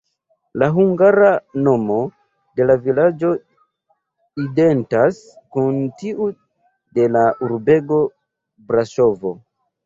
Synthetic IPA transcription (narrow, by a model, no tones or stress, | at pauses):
laɦuŋɡaɾano̞mo̞ | de̞lavilad͡ʒo̞ | ide̞ntas | kuntiʔu | de̞laʔuɾbe̞ɡo̞ | bɾaʃo̞vo̞̰